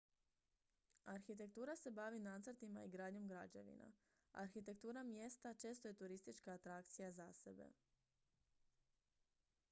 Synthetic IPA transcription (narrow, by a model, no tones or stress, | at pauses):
aɾxit̪̬e̞kt̪uːɾase̞baʋinat̪səɾt̪imaiɡɾaːd̪ɲo̞mɡɾad͡ʑḛʋḭna̰ | a̰ɾxit̪e̞k̚t̪uːɾamje̞st̪at͡ʃe̞ːst̪oje̞t̪uɾist̪it͡ʃkaːt̪ɾak̚t̪sijazasebe̞̰